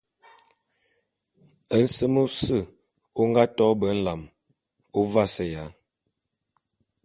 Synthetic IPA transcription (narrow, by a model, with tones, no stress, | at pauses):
ə˨˦n̩˦sə˦mə˦sə˦˨ | o˦ŋ˦ɡa˦tɔ˦bə˨˦n̩˦la˨m | o˦va˦˨sə˨ja˨˦